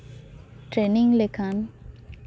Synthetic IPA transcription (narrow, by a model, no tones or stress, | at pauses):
ʈɾenĩŋlekʰan